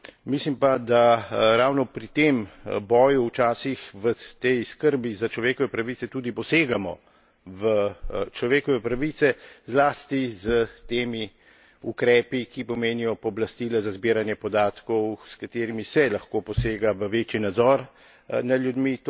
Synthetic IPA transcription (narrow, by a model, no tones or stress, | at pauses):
mislimpad̪aɾawnɔpɾit̪embɔːjuːt͡ʃaːsixʋət̪ɛjskəɾbizat͡ʃlɔʋeːkɔʋɛpɾaʋiːt̪sɛt̪ud̪ipɔseːɡamɔ | ʋət͡ʃlɔʋeːkɔʋɛpɾaʋit̪sɛzlaːst̪izət̪eːmi | ukɾɛːpikipɔmeːnijɔpɔblast̪iːlazazbiːɾanjɛpɔd̪aːt̪kɔwskat̪eːɾimisɛlaxkoːpɔseːɡaʋəʋeːt͡ʃinad̪zɔɾ | nad̪ljud̪mit̪